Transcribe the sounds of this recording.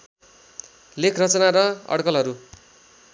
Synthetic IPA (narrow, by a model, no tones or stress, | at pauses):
lekʰrʌt͡sʌnaɾʌʌ̰ɽkʌlɦʌɾu